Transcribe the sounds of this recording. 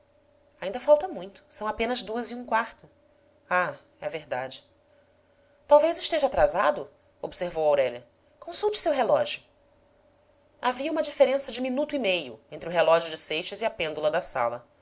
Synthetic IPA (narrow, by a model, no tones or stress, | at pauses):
aĩnd̪ɐfawt̪ɐmũj̃t̪ʊ̥sɐ̃w̃apẽnɐzd̪uɐziũkwaɾt̪ʊ | a | ɛveɾd̪ad͡ʒɪ | t̪awvejzɪʃt̪eʒat̪ɾazad̪ʊ | obseɾvowawɾɛʎɐ | kõsuwt͡ʃɪ̥sewɦelɔʒjʊ | aviɐũmɐd͡ʒifeɾẽsɐd͡ʒɪminut̪ʊimejʊ̰ẽnt̪ɾɪʊɦelɔʒʊd͡ʒɪsejʃɐziɐpẽnd̪ulɐd̪ɐsa̰lɐ